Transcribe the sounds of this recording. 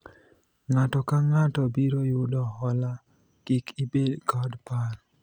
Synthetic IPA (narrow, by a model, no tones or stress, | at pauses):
ŋatɔkaŋatɔbiɾojʊdɔhɔla | kikibedkɔdpar